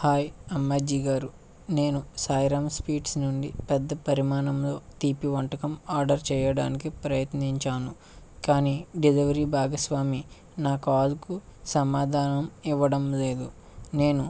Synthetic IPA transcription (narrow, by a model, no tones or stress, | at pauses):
haːjɐmːɐd͡ʒiːɡaːɾu | ne̞ːnusaːjɾaːmspiːʈsnuɳɖipɛd̪ːɐpɐɾimaːnɐmlo̞ːt̪iːpiʋɐɳʈɐkɐmaːɾɖɐɾt͡ʃɛːjɐɽaːnikipɾɐjɐt̪niɲt͡ʃaːnu | kaːniːɖiliʋɐɾiːbʱaːɡɐsʋaːmi | naːkaːlukusɐmaːd̪ʱaːnɐmiʋːɐɽɐmle̞ːd̪u | ne̞ːnu